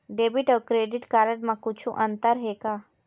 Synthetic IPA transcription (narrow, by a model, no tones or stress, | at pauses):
ɖeːbiʈəːkɾeːɖɪʈkaːɾəɽmãkʊt͡ʃʰũʔɐ̃nt̪əɾɦeːkaː